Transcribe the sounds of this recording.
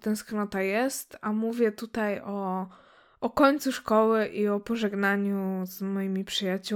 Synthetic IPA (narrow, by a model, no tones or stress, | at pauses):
t̪ɛ̃w̃sknɔt̪ajɛst̪amuvʲjɛt̪ut̪ajɔ | ɔkɔɲt̪suʂkɔwɘʔiɔpɔʐɛɡnaɲuz̥mɔjimʲipʂɨjat͡ɕu